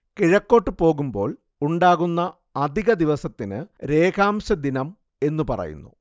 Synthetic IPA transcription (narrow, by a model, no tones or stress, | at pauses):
kiɻɐkːo̞ːʈːɨpo̞ːɣumbo̞̰ːɭ | uɳɖaːɣunːɐː | d̪ʱiɣɐd̪iʋɐsɐt̪ːinɨ̰ɾe̞ːkʰaːmɕɐd̪inɐm | e̞nːupɐ̰rɐ̰jṵnːṵ